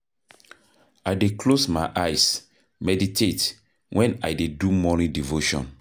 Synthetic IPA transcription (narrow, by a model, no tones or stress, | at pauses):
ajdekʰlosmaɪʔajs | mɛditʰet | wʔɛ̃na̰jdedumɔnĩdivoʃɔ̰̃n